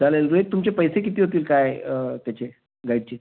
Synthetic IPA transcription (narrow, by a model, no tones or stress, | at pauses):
d͡zʱalelɾuek̚t̪umt͡ɕepəjsek̬it̪iːɦot̪̬iːlkajət̪jat͡ɕe | ɡaiɽt͡ɕe